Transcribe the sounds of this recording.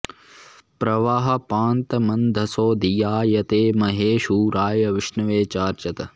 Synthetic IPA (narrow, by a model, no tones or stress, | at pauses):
pɾɐʋaːɦɐ̆paːnt̪ɐmɐnd̪ʱɐsoːd̪ijaːjɐt̪eːmɐɦeːʃuːɾaːjɐʋɪʃnɐʋeːt͡ʃaːɾt͡ʃɐt̪ɐ